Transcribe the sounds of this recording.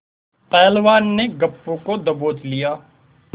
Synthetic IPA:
pɛːlʋaːnːeɡəpːõkod̪əboːt̪lɪjaː

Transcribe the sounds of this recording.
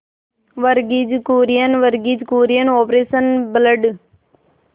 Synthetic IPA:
ʋəɾɡid͡ʒkoːɾijənʋəɾɡid͡ʒkoːɾijənoːpɾeːsənbləɖ

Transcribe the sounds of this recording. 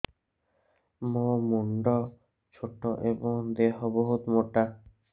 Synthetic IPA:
momuɳɖɔ | t͡ʃʰoʈːɔʔebɔŋd̪eɦɔbɔɦut̪moʈa

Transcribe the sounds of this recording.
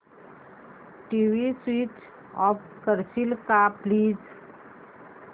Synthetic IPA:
ʈiʋiswit͡ʃ | ɔp | kəɾsilkapliːz

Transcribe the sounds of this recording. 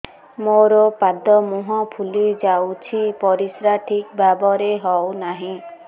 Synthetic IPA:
moɾɔpad̪ɔmuɦɔ̃pʰulid͡ʒawt͡ʃʰipɔɾisɾaʈʰikbabɔɾeɦɔwnaɦĩ

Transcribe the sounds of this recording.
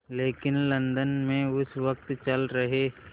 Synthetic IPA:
leːkɪnlɐ̃nd̪ənmẽʊsʋək̚t̪t͡ʃɐlɾɐɦeː

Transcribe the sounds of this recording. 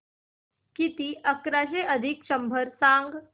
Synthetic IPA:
kit̪iəkɾaʃ̬eʔəd̪ʱikʃəmbʱəɾsãːŋɡ

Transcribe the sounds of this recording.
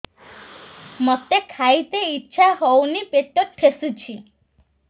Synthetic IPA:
mɔt̪ekʰait̪eitːʃʰaɦownipeʈ̪oʈʰesut͡ʃʰi

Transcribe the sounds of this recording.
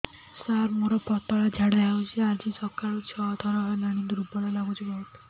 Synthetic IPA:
saɾmoɾɔpɔt̪ɔɭad͡ʒʱaɽɛaut͡ʃʰiad͡ʒisɔkaɭut͡ʃʰɔɔd̪ʰʱɔɾɔenaɽ̃id̪ɾubɔlalaɡut͡ʃʰibɔut̪

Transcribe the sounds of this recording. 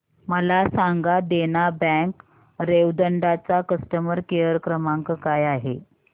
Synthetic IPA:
məlasaŋɡad̪enabɛ̃k | ɾeʋd̪əɳɖat͡sakəst̪əməɾkejəɾkɾəmãŋkkajaɦe

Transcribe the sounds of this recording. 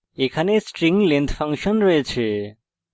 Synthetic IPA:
ekʰanesʈɾiŋɡlent̪ʰfʰəŋkʃɔnɾɔɦet͡ʃʰe

